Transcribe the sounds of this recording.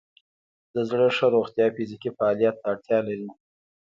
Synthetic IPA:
d̪̥əzɽəʂəɾoɣt̪jɑfizikifaːlijat̪ːaːɽt̪jɑlaɾi

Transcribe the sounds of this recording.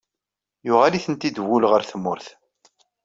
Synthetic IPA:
jʊʁaliθənt̪id̪wʊlʁəɾθəmːʊɾθ

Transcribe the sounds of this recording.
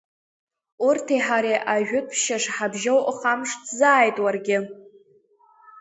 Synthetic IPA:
urtʰiħaɾiʔaʒᶣʊtʰʃaʂħabʒowʔχamʂtʰzaːjtʼwarɡʲɪ

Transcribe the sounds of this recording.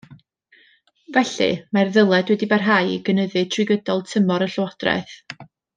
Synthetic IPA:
vɛɬɨ̰marðəlˠɛdwɛdibarɦajɡ̥ənəðɨtʰrɨɡədɔlˠtʰəmɔɾəɬwad̥rɛ̰θ

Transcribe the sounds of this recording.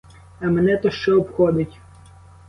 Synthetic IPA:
ɐmenɛt̪ɔʃt͡ʃɛɔpxɔd̪ɪtʲ

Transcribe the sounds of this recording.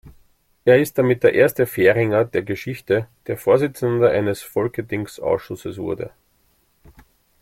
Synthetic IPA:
ʔeːɐɪst̚d̥amɪt̚d̥eːɐʔeːɐstəfeːʁɪŋɐd̥eːɐɡəʃɪçtəd̥eːɐfoːɐzɪt͡səndɐʔa̰ɪnəsfɔlkədɪŋksʔa̰ʊsʃʊsəsvʊ̰ɐdə̰

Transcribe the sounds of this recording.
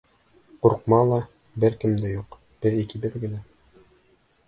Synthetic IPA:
quɾqmɑlˠɑ | bɘɾkɘ̆md̪æjuq | b̥ɘðikɘbɘ̆ðɡɘ̆læ

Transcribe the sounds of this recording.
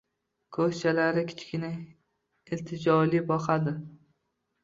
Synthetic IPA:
kʰɵht͡ʃʰalaɾɪkʲʰɪ̥t͡ʃʰkʲɪnɪ | ɪlt̪ʰɪd͡ʒɒlibɒqad̪ɪ

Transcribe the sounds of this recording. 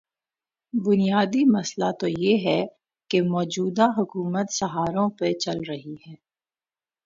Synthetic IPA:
bʊnijaːd̪imɐslat̪ojeɦɛ | kemɔːd͡ʒuːd̪aɦʊkuːmət̪sɐɦaːɾõpet͡ʃɐlɾɐɦihɛː

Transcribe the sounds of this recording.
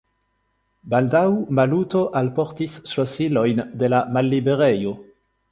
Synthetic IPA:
bald̪awmalut̪oʔalpɔʁt̪isːlosilojnd̪elamalːibeʁejo

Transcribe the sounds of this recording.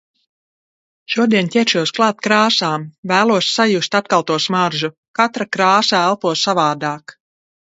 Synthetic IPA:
ʃuɔd̪iɛntʲɛɛɾʃuɔsklˠɑːt̪kɾaːsaːmvæːlˠuɔsːajust̪at̪̚kalˠt̪uɔsmaɾʒu | kat̪ɾakɾaːsaælˠpuɔsavaːd̪aːk

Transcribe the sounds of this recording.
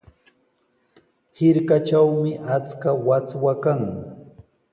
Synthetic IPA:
hɪɾkat͡ʃawmɪʔat͡skawat͡swakaŋ

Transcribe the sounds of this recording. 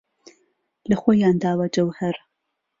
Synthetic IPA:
lɐxoːjaːnd̪aːwɐd͡ʒɐwhɐɾ

